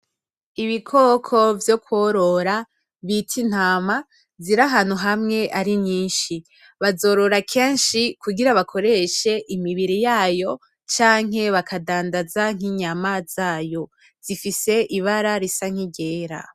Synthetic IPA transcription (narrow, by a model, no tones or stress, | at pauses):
iβikʰo̞ːkʰo̞vjo̞kwoɾo̞ɾa | βitʰin̥haːma | ziɾaɦaːn̥huɦamŋe̞ʔaɾiɲɲiːnʃi | βazo̞ːɾo̞ɾakʰe̞ːnʃikuɡiɾaβakʰo̞ɾe̞ʃe̞ʔimiβiɾijaːjo̞ | t͡ʃaːŋ̥ɦe̞βakʰadaːndazaŋ̥iɲamaz̥aːjo̞ | z̥ifise̞ʔiβaɾaɾisaŋ̥iɟe̞ːɾa̰